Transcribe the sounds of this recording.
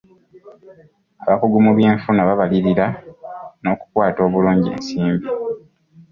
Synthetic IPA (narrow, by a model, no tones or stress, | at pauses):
aβakuɡumuβje̞ːɱfunaβaβaliɾiɾa | no̞ːku̥kwaːto̞ːβuluːɲɟḛːnsiːmbi